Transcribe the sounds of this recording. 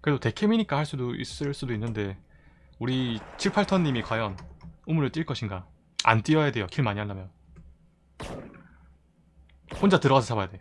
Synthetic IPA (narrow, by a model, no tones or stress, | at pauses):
kɯɾedote̞kʰemiɲik͈ahaɭs͈udoḭs͈ɯɭs͈udoinːɯnde̞ | uɾit͡ɕʰiɭpʰaɭtʰʌɲːimikwajʌnumuɾɯɭt͈iɭk͈ʌɕʰiŋɡa | a̰nt͈ijʌjade̞jokʰiɭmaɲiɦanːamjʌn | hond͡ʑatɯɾʌɡasʰʌsʰabajadeo